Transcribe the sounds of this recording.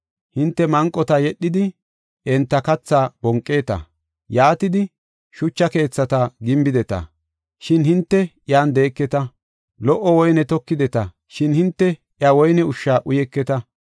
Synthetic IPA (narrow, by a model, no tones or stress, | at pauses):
hɪnt̪ːɛmɐŋkʼːɔt̪ɐjɛɗːɪd̪ɪ | ɛnt̪ːɐkɐt͡sːaːb̥ɔŋkʼːe̞ːt̪ɐ̰ | jaːt̪ɪd̪ɪ | ʃʊt͡ʃːɐke̞ːt͡sːɐt̪ɐɡɪmbɪd̪ɛt̪ɐ̰ | ʃɪnhɪnt̪ːɛ | jaːnd̪e̞ːkːɛt̪ɐ | lɔʔɔwɔjnɛt̪ɔkːɪd̪ɛt̪ɐ | ʃɪnhɪnt̪ːɛʔjawɔjnɛʊʃːaːʔʊjɛkːɛt̪ɐ